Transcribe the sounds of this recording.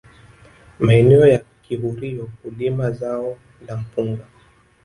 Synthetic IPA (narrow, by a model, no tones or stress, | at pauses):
maɛnɛɔjakihuɾijɔkulimazaɔ | ndam̩puŋɡa